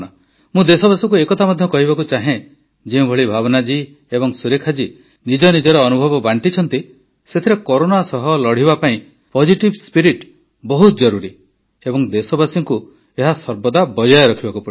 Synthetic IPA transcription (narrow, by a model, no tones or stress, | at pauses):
a | mũd̪esɔbasɔŋkuekɔt̪ʰamɔd̪ʱjɔkɔɦibakut͡ʃaɦẽ | d͡ʒiũbʱɔɭibʱaβɔnad͡ʒi | ebɔŋsuɾekʰad͡ʒi | nid͡ʒɔnid͡ʒɔɾeɔnubʱɔbɔbaɳʈit͡ʃʰɔnt̪i | set̪ʰiɾekoɾoɽasɔɦɔlɔɽ̤ibapaĩ | pɔd͡ʒiʈibspiɾiʈ | bɔɦut̪ɔd͡ʒɔɾuɾi | ebɔŋd̪esɔbasiŋku | eɦasɔɾbɔd̪abɔd͡ʒɔjɔɾɔkʰibakupɔ